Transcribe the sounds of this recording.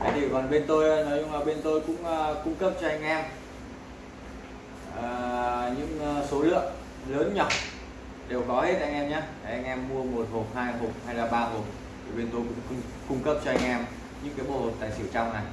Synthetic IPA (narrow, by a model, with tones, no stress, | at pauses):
a˨˦t̪ʰi˧˩kɔ˨˩nɓe˧nt̪o˧jnɔ˨˦jʊ˧ŋ͡mlaː˨˩ɓe˧nt̪o˧jkʊ̰˧˥ŋ͡məː˧kʊ˧ŋ͡mkə˦˥p̚t͡ɕɔ˧ʔa˧jŋ̟ʔɛ˧m | əː˨˩ɲɨ̰˧˥ŋː˧so˨˦lɨ̰˧˨əŋ | ləː˨˦nɲɔ˨˩ | ɗe˨˩wkɔ˨˦he˦˥t̚ʔa˧jŋʔɛ˧mɲaː˨˧˦a˨˩ʔa˧jŋ̟ʔɛ˧mːu˧əmo˨˩t̚ho˨˩t̚haː˧jɦo˨˩t̚ha˧jlaː˨˩ɓaː˧ɦo˨˩t̚ | t̪ʰi˨˩ɓe˧nt̪o˧jkʊ̰˧˥ŋ͡mkŋ͡m | kʊ˧ŋ͡mkə˦˥p̚t͡ɕɔ˧ʔa˧jŋ̟ʔɛ˧m | ɲɨ̰˧˥ŋkaː˨˦jɓo̰˧˨˩ho˨˩t̚t̪a̰ː˨jsɨ̰˧˨wt͡ɕa˧wŋ͡mna˨˩j